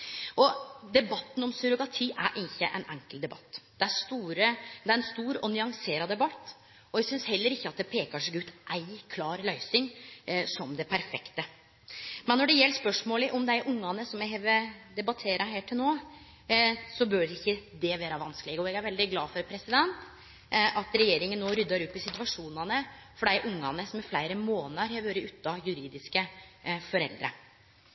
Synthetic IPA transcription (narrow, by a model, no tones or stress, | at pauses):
ʔɔd̪ɛbɑt̪ːn̩ɔmsʉɾʊɡɑt̪ʰiːʔæ̰ɾʔɪnçːə̰ʔɛ̰nʔæ̰ŋkəld̪ɛbɑ̰t̪ːd̪̥ɛæʂt̪uːɾəd̪ɛæɾɛnst̪uːɾɔnʏɑŋseːɾɑd̪ɛbɑt̪ː | ɔɛɡsʏnshɛlːəɾɪçːəɑt̪̚d̪ɛpʰeːkɑʂɛɡʉːt̪ʔæɪkʰlɑːɾlœʏsɪŋsɔmd̪ɛpʰæɾfɛkt̪ə | mɛnːɔɖɛjɛlːʂpœʂmoːləʔɔmd̪æɪʔʊŋːɑnəsɔmɛɦɛʋɛd̪ɛbɑt̪ʰeːɾɑɦæːʈʰɪlnoː | sɔbœɖɛɪçːəd̪ɛʋæːɾɑʋɑnskəlɛɡəɔɛɡæɾʋɛld̪ɪɡlɑːfɔɾpʰɾɛsɪd̪ɛnt̪ | ɑt̪ɾɛjeːɾɪŋənːoːɾʏd̪ːɑɾʉp̪ːɪsɪt̪ʋɑʂuːnɑnəfɔɖæɪʔʊŋːɑnəsɔmɛɾflæɪɾəmoːnəɾheːʋøːɾəʉt̪ːɑjʉɾiːd̪ɪskəfɔɾɛ̰ld̪ɾə̰